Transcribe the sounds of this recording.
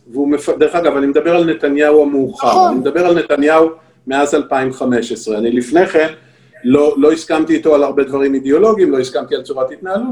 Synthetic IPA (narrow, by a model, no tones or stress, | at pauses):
veumefad̪e̞ʁe̞χaɡavanime̞d̪abe̞ʁalne̞t̪anjauamuːχaanimed̪abe̞ʁalne̞t̪anjau | me̞azalpaimχame̞ʃesʁeanilifne̞χe̞n | lo̞lo̞iskamt̪iːt̪o̞alaʁbe̞d̪vaʁimid̪eo̞lo̞ɡiimlo̞iskamt̪ialt͡suʁathit̪naːlut